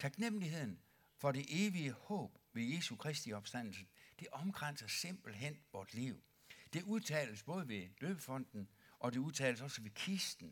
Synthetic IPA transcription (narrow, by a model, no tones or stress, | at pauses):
t͡sʰɑ̈ɡ̥nem̰liɦe̝ð̞̰ˠn̩ | fɒ̽ɾe̝ʔe̝ːʋiəhɔ̰̽ːb̥ʋe̝je̝sukʰʁɛsd̥iɒ̽b̥sd̥æn̰l̩səd̥e̝ʔɒ̽mɡ̥ʁan̰sɐse̝m̰b̥l̩ɦen̰ʋɒːsliʊ | d̥e̝uðˠt͡sʰɛ̰ːləsb̥ɔ̽ːð̞ˠəʋe̝d̥øːb̥əfɒ̽n̰d̥n̩ʔɒ̽de̝uðˠt͡sʰɛ̰ːləsɒ̽səʋe̝kʰisd̥n̩